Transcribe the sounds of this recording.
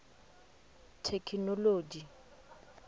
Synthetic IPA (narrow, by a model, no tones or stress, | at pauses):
tʰekʰinɔloːd͡ʒi